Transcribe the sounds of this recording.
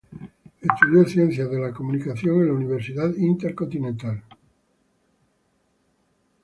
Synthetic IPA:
est̪uðjoθjẽnθjaðelakomunikaθjoŋenlauniβ̞eɾsiðaðint̪eɾkont̪inent̪al

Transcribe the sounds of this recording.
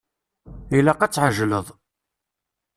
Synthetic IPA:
ilæqæt͡sːʕəʒləðˤ

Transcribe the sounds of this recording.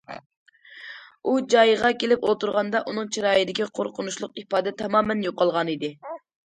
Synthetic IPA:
ud͡ʒɑjʁɑkʲʰelɪpolˠt̪uɾʁɑnd̪ɑʔunɨŋt͡ʃʰiɾɑːjɨd̪ɪkʲiqʰoɾqʰʊnuʃlˠʊq̚ipɑːd̪ɛt̪ʰɛmɑːmɛnjoqɑlˠʁɑnid̪ɪ

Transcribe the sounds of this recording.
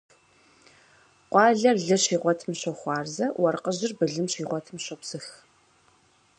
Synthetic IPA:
qʷɑːɮɐrɮɨɕiːʁʷɔtʰɨmɕɔχʷɑːrzɐwɐrqəʑɪrbɨɮɨmɕiːʁʷɔtʰɨmɕɐpsɨx

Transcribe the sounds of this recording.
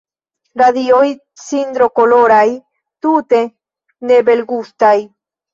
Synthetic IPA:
ɾaðioj | sind̪ɾokoloɾaj | t̪ut̪e | nebelɡust̪aj

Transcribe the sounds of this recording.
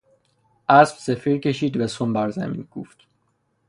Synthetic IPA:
ʔæsb̥sefiːɾcʰe̞ʃiːd̪væsombæɾzæ̰mḭːnɡ̥ṵːft̪

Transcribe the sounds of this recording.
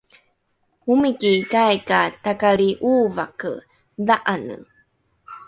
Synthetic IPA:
humikikajkatakaɭiʔuːvakə | daʔanə̰

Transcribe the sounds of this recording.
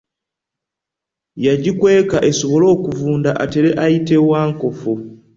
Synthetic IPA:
jaɟikwe̞ːkaʔe̞so̞βo̞lo̞ːkuvuːndaʔate̞ɾe̞ʔajite̞waːŋko̞fu

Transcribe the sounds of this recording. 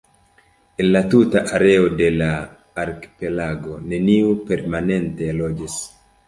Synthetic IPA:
ʔilːat̪utaʔaɾɛɔdɛlaː | ɾki̥pɛlaɡɔnɛniupɛɾmanɛnt̪ɛlɔd͡ʒɛs

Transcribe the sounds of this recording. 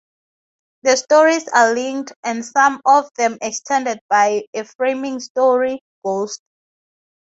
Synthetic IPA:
ðəstɔɹisalĩŋdɛ̃nsãmɔvðɛ̃mɛkstʰɛ̃ndɛd̚bajefɹẽmĩŋstɔɹi | ɡ̥ost

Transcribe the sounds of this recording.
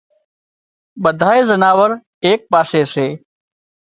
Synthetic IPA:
ɓəd̪ʱaːeːzənaːʋəɾ | eːk̚paːseːseː

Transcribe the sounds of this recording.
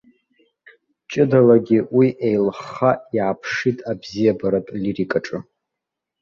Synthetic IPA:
t͡ʃʼɪdalaɡʲiwiʔejlχaiʕapʰʂitʼabzijabaɾatʼlirikʼaʈ͡ʂʼɨ

